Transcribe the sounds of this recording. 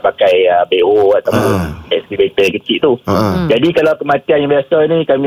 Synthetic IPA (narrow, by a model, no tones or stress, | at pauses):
pakajəbeʔoat̪awpʊnɛsibet̪əaŋkət͡ʃɪʔt̪ud͡ʒadikalawkəmãt̪ianjãmbasanĩkamĩ